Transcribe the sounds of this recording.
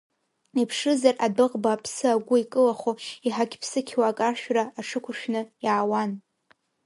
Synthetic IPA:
ipʰʂɨzarʔadɨqʼbaːpʰsɨaɡʷʊikʼɨlaχoiħakʲpʰsɨkʲʰwakʼarʃᶣraːʈ͡ʂʰɨkʷʰʊʃᶣnɨjaːwan

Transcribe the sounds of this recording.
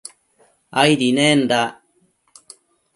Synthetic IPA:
ajɾinend̪a

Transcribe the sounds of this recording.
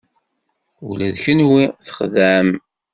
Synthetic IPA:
ulæðçənwiθə̥χðæm

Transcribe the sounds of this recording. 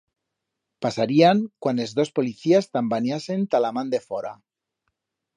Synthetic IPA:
pasaɾiaŋkwanezðo̞spoliθiast̪ambanjasent̪alamãnd̪e̞foɾa̰

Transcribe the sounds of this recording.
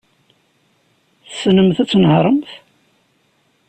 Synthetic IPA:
θsnəmθæt͡sːnəhɾˤəmθ

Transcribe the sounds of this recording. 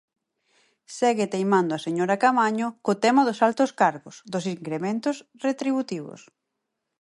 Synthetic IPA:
sɛɣɪt̪ejmãnd̪ʊaseɲoɾakamaɲʊkʊt̪ɛmaðʊsalt̪ʊskaɾɣʊsðʊsiŋkɾemẽnt̪ʊs | ret̪ɾiβut̪iβʊ̰s

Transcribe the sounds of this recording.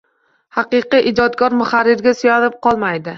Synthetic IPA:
hɑqɨqiʔɪd͡ʒɒt̪ɡɒɾmʊχaɾːɪɾɡʲasʊjanɪp̚qʰɒlˠmajd̪ɪ

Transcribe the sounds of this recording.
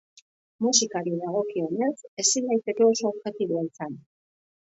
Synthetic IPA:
musikaɾiðaɣ̞o̞kio̞ne̞se̞sindajt̪e̞ke̞o̞so̞ːβʝe̞t̪iβoaisan

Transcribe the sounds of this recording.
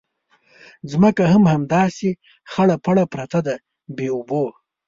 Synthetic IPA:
zməkaɦamhamd̪ɑːse | xaɽapaɽapɾat̪ad̪a | beubo

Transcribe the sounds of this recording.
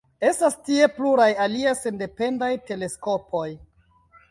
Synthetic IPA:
e̞stastie̞pluɾajaliase̞nde̞pe̞ndajte̞le̞sko̞po̞j

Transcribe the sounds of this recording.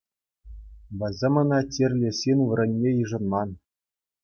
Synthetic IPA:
bɘ̆zʲɘ̆mɤ̆nɑtʲĕrʲlʲĕsʲinʲʋɤ̆rʲɤ̆nʲːejɯʐɤ̆nmɑn

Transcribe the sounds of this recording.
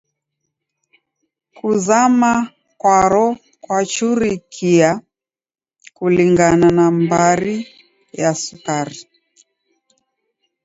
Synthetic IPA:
kuzama | kwaɾɔ | kwat͡ʃuɾikʰia | kuliŋɡananambaɾi | jasukaɾi

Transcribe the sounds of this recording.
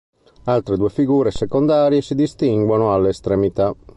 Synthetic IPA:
alt̪ɾed̪uːefiɡuːɾesɛkond̪aːɾjesid̪ist̪iŋɡwanoalːeːst̪ɾemit̪a

